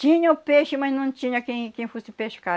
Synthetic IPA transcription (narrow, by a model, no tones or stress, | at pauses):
t͡ʃĩɲɐupeʃʊmɐsnɐ̃t͡ʃ̪ĩɲɐkẽj̃kẽj̃fosɪpeʃka